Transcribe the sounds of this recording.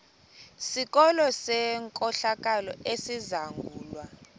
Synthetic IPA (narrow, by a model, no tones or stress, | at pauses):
sik̬ɔlɔsɛŋkʼɔɬak̬ʼalɔesizaŋɡʱuːlwa